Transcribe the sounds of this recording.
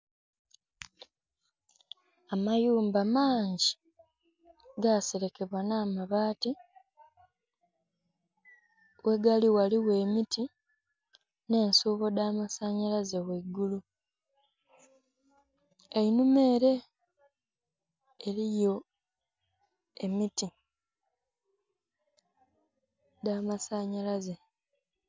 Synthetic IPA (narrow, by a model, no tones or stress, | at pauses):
amajuːmbamaːɲɟi | ɡaseɾe̞ke̞βwanaːmaβaːti | wʔe̞ɡaliwaliwe̞ːmiti | ne̞ːnsuːβo̞daːmasaɲalazeweɡulu | einume̞ːɾe̞ | elijo̞ | e̞miti | daːmasaɲalaze